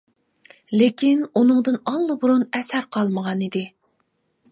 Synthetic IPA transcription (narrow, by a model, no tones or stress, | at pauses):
lɪkʲinunɨŋd̪ɨnɑlˠːɨbuɾunɛsæɾqʰɑlˠməʁɑnid̪ɪ